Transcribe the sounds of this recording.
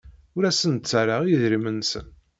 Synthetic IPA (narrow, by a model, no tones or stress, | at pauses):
ʊɾæsənt͡sːaɾaʁijiðɾimənsə̰n